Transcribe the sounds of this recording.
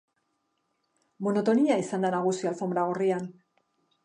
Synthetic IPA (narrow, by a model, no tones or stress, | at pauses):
mo̞no̞t̪o̞niaisand̪anaɣ̞usialfo̞mbɾaɣ̞orian